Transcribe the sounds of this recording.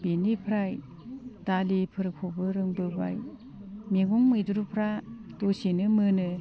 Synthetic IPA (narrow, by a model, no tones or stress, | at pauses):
benipʰɾaj | d̥alipʰɯɾɯkʰobɯɾɯŋbɯba̰j | meɡɔŋmɯjduɾupʰɾadosinɯmɯnɯ